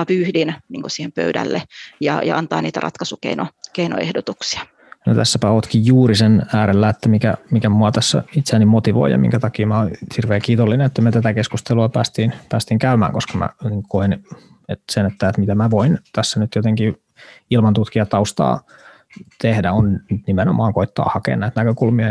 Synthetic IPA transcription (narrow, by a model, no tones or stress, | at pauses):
ɑpyhdinniːŋkosiːhempø̰ydæ̰lːejɑ̰jɑ̰ʔɑnt̪ɑ̰ːniːt̪æ̰rɑ̰t̪kɑsukḛino̰keino̰ḛhdot̪uksi̥ɑ̥ | no̰t̪æsːæpæoːt̪kijjuːrisenæːɾelːæet̪ːæmikæ̰mikæmuɑt̪æsːæ̰it̪seænːimot̪iʋo̰ḭjɑ̰mḭŋkæt̪ɑkiːmæoihirʋeːkiːt̪olːinenet̪ːæmet̪æt̪ækeskust̪eluɑpæːst̪iːnpæːst̪iːŋkæymæ̰ːŋkoskɑmæ̰niːŋkkoen | et̪senet̪ːæet̪mit̪æmæʋoint̪æsːænyt̪jot̪eŋki | ilmɑnt̪ut̪kiɑt̪ɑust̪ɑ̰ː | t̪ehdæonnt̪nimenomɑːŋkoit̪ːɑ̰ːhɑkḛːnnæit̪nækøkulmiɑ